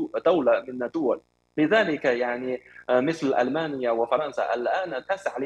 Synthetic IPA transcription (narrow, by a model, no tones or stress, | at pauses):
t̪awlamɪnːad̪ʊwal | bɪðaːlɪkjaʕnimɪθlʔa̰lmaːnɪjːawɪfɑɾˤɑnsa̰ʔalʔaːnt̪asaʕl